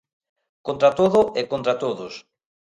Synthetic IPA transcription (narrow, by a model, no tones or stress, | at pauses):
kõnt̪ɾat̪oðʊekont̪ɾat̪oðʊs